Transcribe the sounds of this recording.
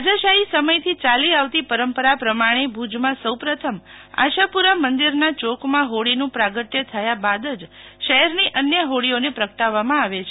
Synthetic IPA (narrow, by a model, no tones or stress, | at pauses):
ad͡ʒəʃaɦisəməjt̪ʰit͡ʃaliaʋt̪ipəɾəmpəɾapɾəmaɽ̃ebʱud͡ʒmãsəwpɾət̪ʰəma̰ʃapuɾamənd̪iɾnat͡ʃokmãɦoɽinũpɾaɡəʈ̪jət̪ʰəjabad̪əd͡ʒʃəɦɛɾniʔənjəɦoɽionepɾəkʰʈaʋːamãaʋet͡ʃʰe